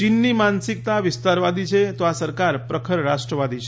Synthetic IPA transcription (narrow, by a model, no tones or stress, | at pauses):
inːimansik̚t̪aʋist̪aɾʋad̪it͡ʃʰet̪ʋasəɾkaɾpɾəkʰəɾɾaʂʈɾəʋad̪it͡ʃʰe